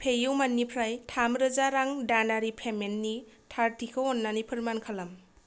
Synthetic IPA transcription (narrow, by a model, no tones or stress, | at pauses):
pʰejɯwmanːipʰɾajtʰamɾɯzaɾaŋdanaɾipʰemenːi | tʰaɾtʰikʰɯwɔnːanipʰɯɾmankʰalam